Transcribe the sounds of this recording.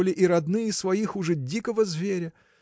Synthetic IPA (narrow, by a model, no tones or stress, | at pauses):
lʲɪʔiɾɐd̪nɨjəsvɐixʊʐɛdʲikəvəzvʲeɾʲə